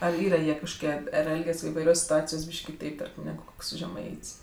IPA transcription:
ɐr ˈiːrɐ ˈjiɛ kɐʃkoːˈkʲiɛ ɐr ˈɛlʲɡʲɛs ɪʋɐɪˈrʲoːsʲ sʲɪtʊˈɑːt͡sʲɪjoːsʲ ˈbʲiːʃʲkʲ kʲɪˈtɐɪp ˈtɐrʲkʲɪm ˈnʲæːɡʊ ˈkoːks ʒʲɛˈmɐɪtʲsʲ

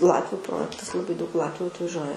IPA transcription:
ˈlˠɑːtʲʋʲʊ ˈproːjɛktɐs lˠɐˈbɐɪ dɐʊk ˈlˠɑːtʲʋʲʊ ɐtʋɐˈʒʲuɔjɛ

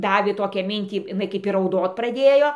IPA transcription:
ˈdɑːʋʲeː ˈtoːkʲæː ˈmʲɪnʲtʲiː jɪˈnɐɪ kɐɪp ɪr rɐʊˈdoːt prɐˈdʲeːjoː

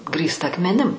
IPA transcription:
ˈɡrʲiːstɐ ɐkmʲɛˈnʲɪm

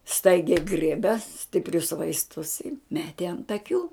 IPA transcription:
ˈstɐɪɡʲɛɪ ˈɡrʲiɛbʲɛ sʲtʲɪpʲˈrʲʊs ʋɐɪsˈtʊs ɪ ˈmʲæːtʲɪ ɐnt ɐˈkʲuː

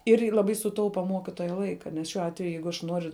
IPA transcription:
ɪr ɪ lˠɐˈbɐɪ sʊˈtɐʊpɐ ˈmuɔkʲɪtuɔjɛ ˈlˠɐɪkɐ nʲɛs ˈʃʲuɔ ˈɑːtʲʋʲɛjʊ ˈjɛɪɡʊ ɐʃ ˈnuɔrʲʊ

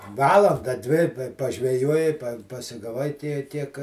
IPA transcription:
ˈʋɑːlˠɐndɐ ˈdʲʋʲɪ ɪ pɐ pɐʒʲʋʲɛˈjuɔjɪ pɐsʲɪɡɐˈʋɐɪ ˈtʲiɛ ˈtʲiɛk

